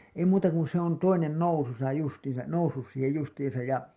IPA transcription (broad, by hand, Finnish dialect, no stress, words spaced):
ei muːtɑ kun se on toinen noususɑ justiːn̞sɑ nousːus siːhej justiːĩsɑj jɑ